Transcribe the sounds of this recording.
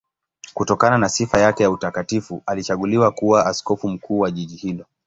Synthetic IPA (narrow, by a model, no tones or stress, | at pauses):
kutɔkananasifajakɛjautakatifualit͡ʃaɠuliwakuwaaskɔfum̩kʰuːwaʄiʄihilɔ